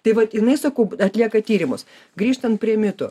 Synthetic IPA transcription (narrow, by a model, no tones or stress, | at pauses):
t̪ɐɪʋɐt̪ɪnɐɪsɐkɐʊɐt̪ʲlʲiɛkɐt̪ʲiːɾʲɪmʊs | ɡɾʲiːʃt̪ɐnt̪̚pʲɾʲiɛmʲɪt̪ʊ